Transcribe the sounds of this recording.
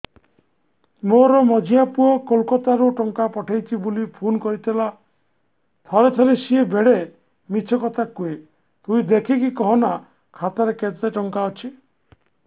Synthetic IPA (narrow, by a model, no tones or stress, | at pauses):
moɾɔmɔd͡ʒʱijapuɔkɔlkɔt̪aɾuʈɔŋkapɔʈʰajt͡ʃʰibulipʰunkɔɾit̪ʰila | t̪ʰɔɾet̪ʰɔɾesiebeɽe | mit͡ʃʰɔkɔt̪ʰakue | t̪uid̪ekʰikikɔɦɔna | kʰat̪aɾeket̪aʈɔŋkaɔt͡ʃʰi